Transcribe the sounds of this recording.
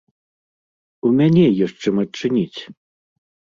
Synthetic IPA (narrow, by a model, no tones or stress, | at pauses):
umʲanʲɛjɔʂt͡ʂɨmɐt͡ʂɨnʲit͡sʲ